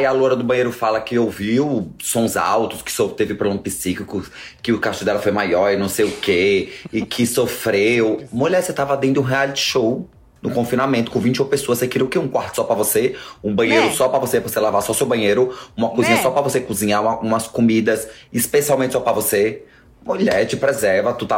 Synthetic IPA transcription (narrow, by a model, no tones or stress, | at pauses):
jaloɾɐd̪ʊbɐ̃ɲ̃ejɾʊfalɐkɪowviwsõza̰wt̪ʊskɪ̥sot̪evɪpɾolɐ̃mʊpisikikʊ | kɪʊkasʃt͡ʃʊd̪ɛlɐfojmajɔɾɪnɐ̃w̃sejʊkeɪkʰɪsofɾewmuʎɛɾset̪avɐd̪ẽnd̪ʊũɦealit͡ʃʃow | nʊkõfĩnamẽt̪ʊ̥kõvĩnt͡ʃɪopesoɐsekiɾiʊkeũkwaɾt̪ʊ̥sɔpɾɐvoseũbɐ̃ɲejɾʊsɔpɾɐvosepvɾoselavasɔsewbɐ̃ɲejɾʊũmɐkuzĩɲɐsɔpɾɐvosekuzĩɲaɐũmɐskomid̪ɐsispesiawmẽt͡ʃɪ̥sɔpɾɐvose | muʎɛɾt͡ʃɪpɾezɛɾvɐt̪ut̪a